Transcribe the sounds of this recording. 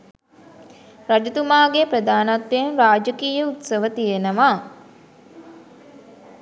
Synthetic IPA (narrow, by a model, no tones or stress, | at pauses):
ɾad͡ʒut̪umaːɡepɾəd̪aːnat̪ːenɾaːd͡ʒəkiːjəut̪səʋət̪ijenəʋaː